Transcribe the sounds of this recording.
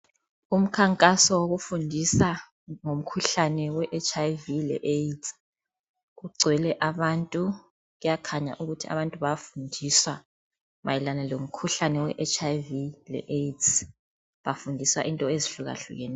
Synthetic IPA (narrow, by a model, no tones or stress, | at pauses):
um̩kʰaŋkʼasɔwoɣufundʱisa | ŋom̩kʰuɬanɛwɛʔet͡ʃʰʼajvilɛ̰ʔet | ɣuɡ͡ǀʱwɛlɛʔaβantʼu | ɣujakʰaɲa̰ʔuɣutʰia̰βantʼuβafundʱiswa | ma̰jɛlanalom̩kʰuɬanɛwɛ̰ʔɛt͡ʃʰʼajvilɛ̰ʔet | βafundʱiswaʔintʼɔeziɬuɣa̰ɬṵɣɛ̰ːnɛ